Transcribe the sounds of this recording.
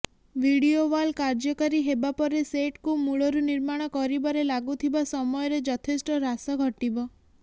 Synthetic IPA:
ʋiɽioʋalkaɾd͡ʒɔkaɾiɦebapɔɾeseʈkumuɭɔɾuniɾmaɽ̃ɔkɔɾibaɾelaɡut̪ʰibasɔmɔjɔɾed͡ʒɔt̪ʰesʈɔɾasɔɡʱɔʈibɔ

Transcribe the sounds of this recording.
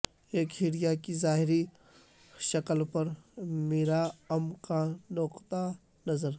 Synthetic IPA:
eːkɦiːɽijakizaːɦɪɾi | ʃɐkəlpɐɾmeːɾaɐmkanɔqt̪a | nɐzəɾ

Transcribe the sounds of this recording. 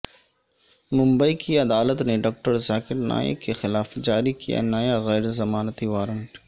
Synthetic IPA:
mʊ̃mbəikiɐd̪aːlət̪neɖɔːk̚ʈəɾzaːkɪɾna̰ːjɪ̰kexɪlaːfd͡ʒaːɾikija̰nɐjaɣɛːɾzɐmaːnət̪iʋaːɾəɳʈ

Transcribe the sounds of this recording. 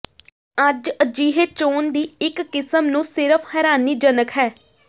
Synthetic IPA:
əd͡ʒəd͡ʒiːɦeːt͡ʃoːnd̪iːɪkːɪsəmnũːsɪɾəpʰhɛːɾaːniːd͡ʒənəkɦɛː

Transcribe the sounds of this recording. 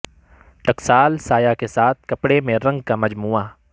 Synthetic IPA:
ʈɐksaːlsaːjakesaːt̪̚ʰkɐpɽemẽɾɐ̃ŋɡkamɐd͡ʒmuːa

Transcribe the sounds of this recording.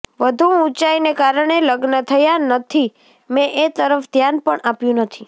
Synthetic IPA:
ʋəd̪ʱũũt͡ʃainekaɾəɳ̃eləɡnət̪ʰəjanət̪ʰi | mɛ̃ʔet̪əɾəfd̪ʱjanpəɳapjũnət̪ʰi

